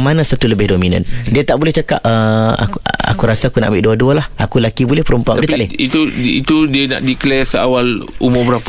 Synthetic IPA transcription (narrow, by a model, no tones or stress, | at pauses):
mãnãsat̪uləbɪhdomĩnã̰ndiat̪aʔbolɛht͡ʃəkap̚əa̰ka̰kuɾasaakuna̰ʔmbɪʔduadualahakulakibulɛhpəɾumpuãitt̪alɛit̪uit̪udiəna̰ʔdiklɛsəawalumʊmbəɾapa